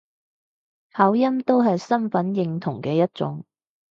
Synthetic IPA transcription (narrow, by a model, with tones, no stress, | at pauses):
haː˨˥wjɐ˥mt̪o˥wɦɐ˨jsɐ˥nfɐ˨˥njɪ˨˧ŋt̪ʰʊ˨˩ŋkɛː˧jɐ˥t̚t͡sʊ̰˨˥ŋ